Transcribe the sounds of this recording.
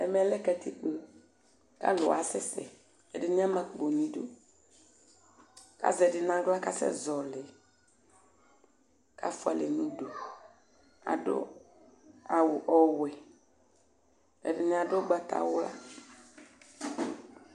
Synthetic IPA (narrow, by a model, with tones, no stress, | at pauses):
ɛ˨mɛ˨lɛ˦kɛ˨t̪i˨k͡po˨ | ka̰˦lʊ̰˨a̰˨sɪ˦sɛ̰˨ | ɛ̰˨dɪ˨nɪ̃˦a˦mã˨k͡po˨nĩ˨do˦ | ka̰˦zɛ˨dɪ˨nã˦ɡla˦ka˦sɛ̰˦zɔ˨lɪ˨ | ka̰˦fʊ˦a̰˨le˨nũ˦do˨ | a̰˨do̰˦ | a˨wʊ˨ʔɔ˨wɛ˨ | ɛ̰˨dɪ˨nɪ̃˨a˨do˦ɡ͡ba˨t̪a̰˨wʊ˦la˦